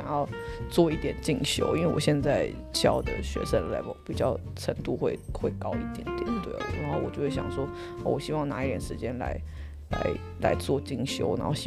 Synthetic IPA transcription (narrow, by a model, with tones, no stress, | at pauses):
ŋjɑ˥˧ʊt͡swɔ˥˧i˥˩t̪jɛ˨˩nt͡ɕi˥˩ŋɕjo̰˧˥ʊi˥nwe˥˩wɔ̰˨˩ɕjɛ˥˧nt͡sa˥˩ɪ | ɕjɑ˥˩ʊd̪ə̰˩ɕɥɛ̰˧˥ʂə˥˩ə˩la̰˧˥ɪpa̰˧˩pi˨˩t͡ɕjɑ˥˩ʊ | ʈ͡ʂʰə˧˥ŋt̪u˥˧xwe˥˧ɪxwe˥˧ɪkɑ˥ʊi˥˩t̪jɛ˨˩˦nt̪jɛ̰˨˩t̪wḛ˥˩˨xo˥˩ʊwɔ˨˩t͡ɕjo˥˧ʊwe˥˩ɕjɑ̰˨˩ŋʂwɔ˥ | a˥˩wɔ˨˩ɕi˥wɑ˥˩ŋna˧˥i˥˩t̪jɛ̰˨˩nʂɻ̩˧˥t͡ɕjɛ˥nla̰˧˥ɪ | la̰˧˥ɪ | la˧˥ɪt͡swɔ˥˧t͡ɕi˥˩ŋɕjo˧˥ʊna˥xo˥˩ɕi˥